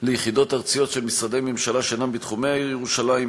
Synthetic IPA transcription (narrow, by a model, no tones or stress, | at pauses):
lejχid̪o̞taʁt͡sijo̞tʃelmisʁad̪e̞jmemʃalaʃenambit̪χumejaiʁjeʁuʃalaim